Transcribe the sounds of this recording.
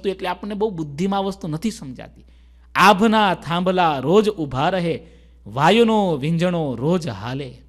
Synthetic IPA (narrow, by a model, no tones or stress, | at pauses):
t̪ueʈleapəɳːebəɦubʊd̪ʱːimãʋəst̪unət̪ʰisəmd͡ʒa̰t̪i̥ | abʱnat̪ʰãmbʱlaɾod͡ʒubʱaɾəɦe | ʋajonoʋɪ̃ɲd͡ʒəɳoɾod͡ʒɦa̰le